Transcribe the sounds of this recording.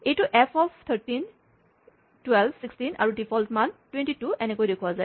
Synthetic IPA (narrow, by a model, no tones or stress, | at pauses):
ejtuʔɛpʰɔpʰt̪ʰəɹtin | twɛlbsikstina̰ɹudipʰɔltʰmantwẽntituʔɛnɛkojdekʰuazaɪ